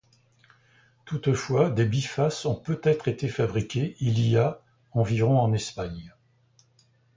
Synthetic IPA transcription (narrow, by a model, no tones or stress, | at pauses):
t̪ut̪fwad̪ebifasɔ̃pøt̪ɛt̪χet̪efabʁikʲeilija | ɑ̃viʁɔ̃ɑ̃nɛspaɲ